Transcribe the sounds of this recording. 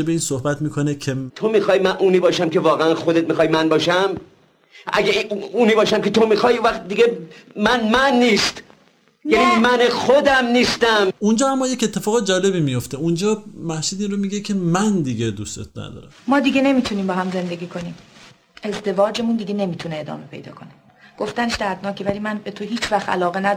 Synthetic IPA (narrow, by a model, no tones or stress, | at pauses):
ebeiːnsohbæt̪miːkʰo̞necʲʰe̞t̪ʰomixɒːjmænʔuːniːbɒːʃæmkʲʰevɒːɣeænxod̪et̪̚mixɒːjmænbɒːʃæm | ʔæ̰ɡeiuːniːbɒːʃæmkʲʰet̪ʰomixɒːjiũvæχt̪̚d̪iɡemænmænːiːst̪ | jænimænexod̪æmniːst̪æmund͡ʒɒːamːɒːje̞ce̞t̪ʰːe̞fɒːɣd͡ʒɒːle̞βiːmijo̞ft̪eund͡ʒɒːmæhʃid̪iːnromiɡecʰe̞mænd̪iɟed̪ust̪ḛt̪næ̰d̪ɒ̰ːɾæ̰mmɒːd̪iɡe̞ne̞miːt̪ʰuniːmbɒːɦæmze̞nd̪e̞ɡʲiːkʰo̞niːm | e̞zd̪e̞vɒːd͡ʒe̞mund̪iɡe̞ne̞miːt̪ʰuneːd̪ɒ̰ːme̞pʰe̞̰jd̪ɒ̰ːkʰo̞ne̥ | ɡ̥o̞ft̪æneʃd̪æd̪nɒːcʰevælimænbe̞t̪ʰoɦiːt͡ʃʰvæxt̪æ̰lɒːɣenæ